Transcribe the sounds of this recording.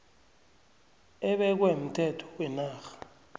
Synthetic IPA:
ɛɓɛk̬wem̩tʰɛtʰɔ̥wɛnaːxḁ

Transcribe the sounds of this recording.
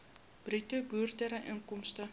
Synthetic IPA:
b̥ritəbyːrt̪əɾəʔəŋkɔmst̪ə

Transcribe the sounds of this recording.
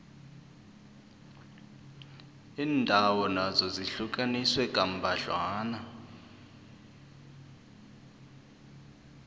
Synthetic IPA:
iːndʱawɔnazɔziɬukʼaniswɛkʼam̩bʱaɮwaːna

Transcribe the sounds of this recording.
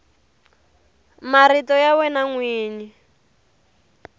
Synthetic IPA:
maritɔjawɛnaŋwiːɲi

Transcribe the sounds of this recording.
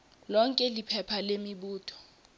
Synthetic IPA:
lɔŋkʼɛlipʰɛpʰalemiɓuːtʰɔ̥

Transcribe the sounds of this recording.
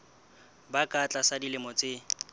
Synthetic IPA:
bakʼat͡ɬʼasadilɪmɔt͡sʼɪ

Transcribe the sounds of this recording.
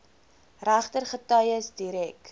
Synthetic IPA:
ræχtərχətœjəsdiɾɛk

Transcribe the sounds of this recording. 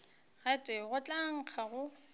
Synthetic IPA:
ɣatʼɪɣʊt͡ɬʼaŋ̩k͡xʰaɣʊ

